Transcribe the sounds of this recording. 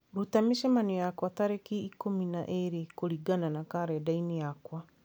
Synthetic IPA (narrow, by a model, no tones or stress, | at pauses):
ɾutameʃɛmanijakwataɾekiːkomina̰ʔeɾikoɾiɡananakaɾɛdainijakwa